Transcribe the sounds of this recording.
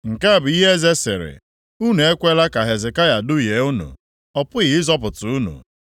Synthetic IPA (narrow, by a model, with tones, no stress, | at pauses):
ŋ̩˨ka˦˨bʊ˨i˦ɦe˦ze˦sɪ̰˨ɾɪ̰˨ | u˦nu˨e˦kʷe˦la˦ka˨ɦe˨zɪ˨ka˦ja˨dʊ˦je˨˦u˦nṵ˨ | ɔ˨pʊ˦ɣɪ˨ɪ˦zɔ˦p̬ʊ˨tʊ˨u˦nṵ˨